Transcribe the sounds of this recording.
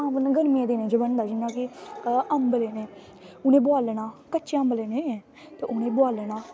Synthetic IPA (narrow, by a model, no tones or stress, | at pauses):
ãːʋənɡəɾmiẽːd̪eːnẽːd͡ʒəbənd̪aːd͡ʒɪnːãːkɪəmbleːnẽː | ʊnẽːbʊaːlnaːkəːt͡ʃːəmbleːnẽːe | t̪eːʔʊnẽːbʊaːlnaː